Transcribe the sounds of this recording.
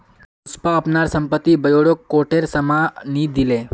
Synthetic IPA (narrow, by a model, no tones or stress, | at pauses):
uspaəpnaɾsəmpət̪ːibəjoɽokːoʈeɾsəmanid̪ile